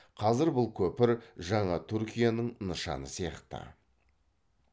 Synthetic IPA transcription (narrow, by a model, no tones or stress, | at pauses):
qʰɑzɪɾbʊlˠkʲʰɵpɪɾʒɑɴɑt̪ʰʏɾkʲijanəɴnəʃɑ̰nəsijɑqt̪ə̰